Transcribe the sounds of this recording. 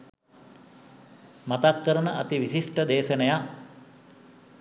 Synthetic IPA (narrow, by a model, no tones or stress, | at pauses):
mat̪akːəɾənəʔɐ̰t̪iʋisiʂʈəd̪eːʃənəja